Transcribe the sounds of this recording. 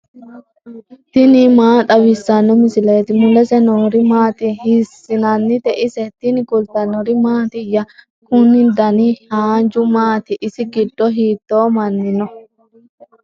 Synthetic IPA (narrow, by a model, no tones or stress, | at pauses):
t̪ɪnɪmaːt̪ʼɐwɪsːɐnːɔmɪsɪleːt̪ɪmʊlɛsɛnɔːɾɪmaːt̪ɪhɪsːɪnɐnːɪt̪ɛʔɪsɛt̪ɪnɪkʊlt̪ɐnɔɾɪmaːt̪ɪjɐ | kʊnːɪd̪ɐnihaːd͡ʒʊmaːt̪ɪʔɪsɪɡɪdːɔɦiːt̪ːoːmɐnːɪnɔ